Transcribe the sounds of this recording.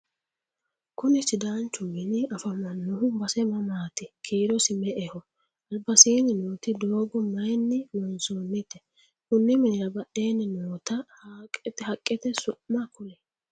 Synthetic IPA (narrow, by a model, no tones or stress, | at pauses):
kʊnɪsɪd̪aːnt͡ʃːʊmɪnɪɐfɐmɐnːʊhʊbɐsɛmɐmaːt̪ɪkʰeːɾɔsɪmɛʔɛhɔ | ɐlbɐsiːnɪnoːt̪ɪd̪oːɡɔmɐjnːɪlɔnsoːnːɪt̪ːɛ | kʊnːɪmɛnɛɐbɐʔeːnːɪnoːt̪ɐhaːkʼːɛt̪ɛhɐkʼːɛt̪ɛsʊʔmːɐkʊlɛ